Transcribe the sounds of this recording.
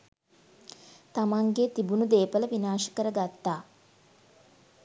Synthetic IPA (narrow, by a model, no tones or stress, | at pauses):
t̪amaŋɡet̪ibunud̪eːpələʋinaːʃə̥kəɾəɡat̪ːaː